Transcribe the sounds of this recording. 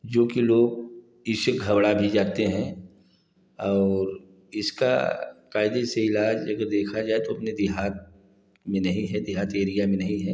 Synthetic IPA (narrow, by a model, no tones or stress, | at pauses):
d͡ʒoːkiloːɡ̚ | ɪʃəkɡʱɐbɽabʱid͡ʒaːt̪eɦɛ̃ | ɔːɾ | ɪska̰kaːɪd̪eseɪlaːd͡ʒɐɡəɾd̪eːkʰad͡ʒaːet̪oɐpned̪ɪɦaːt̪̚ | mẽnɐɦĩɦɛd̪ɪɦaːt̪eːɾijamẽnɐɦĩɦɛː